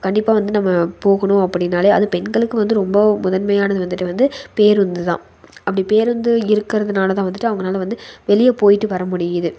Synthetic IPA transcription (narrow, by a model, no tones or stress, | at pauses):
kɐɳɖɪpːaːʋɐnd̪ɯnɐmːɐpoːɣɐɳʊ̃ɐpːɐɽɪnːaːleːɐðɯpɛnɡɐɭɯkːɯʋɐnd̪ɯɾɔmbɐmʊðɐnmɐjaːnɐðɯʋɐnd̪ɯʈːɯʋɐnd̪ɯpeːɾɯnd̪ɯt̪ã̰ː | ɐpːɐɽipeːɾɯnd̪ɯɪɾɯkːɪɾɐðɯnaːlɐt̪̬ãːʋɐnd̪ɯʈːɯɐʋɐŋɡɐnaːlɐʋɐnd̪ɯʋɛɭɪjɐpoːjɪʈːɯʋɐɾɐmʊɽɪjɐðɯ